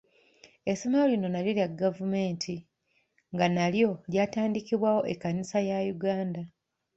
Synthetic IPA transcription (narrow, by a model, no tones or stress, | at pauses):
e̞so̞me̞ɾo̞lino̞naliljaɡavumeːntʰi | ŋɡanaljo̞ljaːtaːndikiβwaːwo̞ʔekːanisajajuɡaːnda